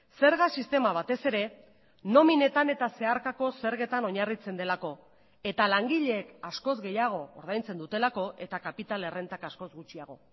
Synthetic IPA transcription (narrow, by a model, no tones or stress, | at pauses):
se̞ɾɣasist̪e̞maβ̞at̪e̞se̞ɾe̞ | no̞mine̞t̪ane̞t̪ase̞aɾkako̞se̞ɾɣe̞t̪ano̞ɲarit͡se̞nd̪e̞lako̞ | e̞t̪alaŋɡiʎe̞ːkasko̞zɣe̞jaɣ̞o̞ːɾð̞ajnt͡se̞nd̪ut̪e̞lako̞ʔe̞t̪akapit̪ale̞re̞nt̪akasko̞zɣut͡ʃiaɣ̞o̞̰